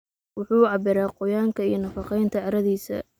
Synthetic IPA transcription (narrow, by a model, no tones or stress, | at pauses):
wʊħuːʕɑbɪɾaːqɔjaːŋkʰɐijɞnɐfɑqɛjnt̪ʰɐʕɑɾɐðiːsɐ̰